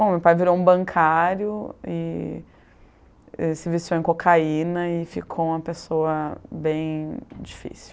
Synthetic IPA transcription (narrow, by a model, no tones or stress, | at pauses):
bõmewpajviɾowũbɐ̃kʰaɾjʊɪ | esɪvist͡ʃow̃ẽkokʰainɐɪfikʰoũmɐpesoɐbẽj̃d͡ʒifḭsi